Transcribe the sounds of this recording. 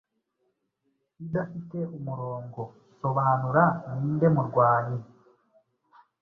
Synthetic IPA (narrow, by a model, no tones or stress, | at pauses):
idafite̞umuɾo̞ːŋɡo̞ | so̞βaːnuɾaniːnde̞muɾɡwaːɲi